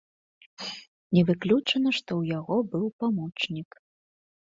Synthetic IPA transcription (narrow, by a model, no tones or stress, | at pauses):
nʲɛvɨklʲut͡ʂɐnɐʂt̪ɔwjaɣɔbɨwpamɔt͡ʂnʲik